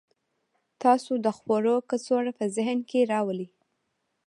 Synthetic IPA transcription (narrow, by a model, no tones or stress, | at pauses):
t̪ɑsod̪əxwoɾokət͡soɽapəzɪɦnkeɾɑwəli